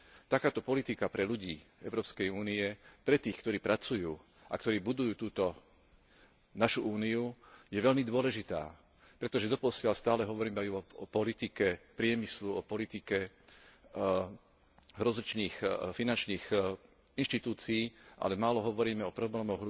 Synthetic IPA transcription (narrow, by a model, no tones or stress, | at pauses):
t̪akaːt̪ɔpɔlit̪ikapɾɛʎuɟiːɛʊɾɔːpskɛjuːniɛpɾɛt̪iːxkt̪ɔɾiːpɾʔat͡sujuː | ʔa̰kt̪ɔɾiːbud̪ujuːt̪uːt̪ɔ | naʃuʔuːniujɛʋɛʎmid̪ʊɔlɛʒit̪a̰ː | pɾɛt̪ɔʒɛd̪ɔpɔsɪalst̪aːlɛɦɔʋɔɾiːmɛajuɔɔpɔlit̪ikɛpɾɪɛmisluɔpɔlit̪ikɛ | ɦɾɔzlit͡ʃniːxfinant͡ʃniːx | inʃt̪it̪uːt͡siiːʔa̰lɛmaːlɔɦɔʋɔɾiːmɛɔpɾɔblɛːmɔɣ